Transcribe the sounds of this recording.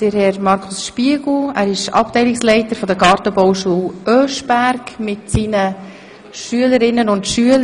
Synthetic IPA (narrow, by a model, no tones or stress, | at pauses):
d̥əɾhɛɾmɑɾkʰʊsʃpiəɡl̩æːɾɪʃɑ̰p̚tɛɪlɪkslɛɪtəɾfɔd̪əɡɑːɾtəbɔwʃuːlʔøːʃb̥æɾkmɪtsiːnə | ʃyələɾɪnːənʊntʃyəl